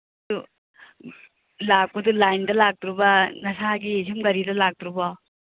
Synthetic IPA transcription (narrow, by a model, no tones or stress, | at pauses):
du | lap̚kudulajndɐlak̚tɾubɐnasaɡisʰɯmɡɐɾidɐlak̚tɾubɔ